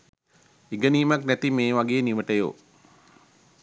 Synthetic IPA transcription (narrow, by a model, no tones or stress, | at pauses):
iɡəniːmaknæt̪imeːʋaɡeːniʋəʈəjo̰